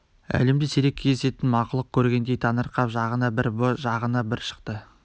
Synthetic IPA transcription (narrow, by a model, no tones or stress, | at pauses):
æ̰le̞md̪eseɾekʲʰezese̞t̪ɪnmɑqʊlˠəq̚kʲʰɵɾɡʲe̞nd̪e̞jt̪ʰɑnəɾqɑpʒɑʁənɑbɪɾbʒɑʁənɑbɪɾʃə̥qt̪ə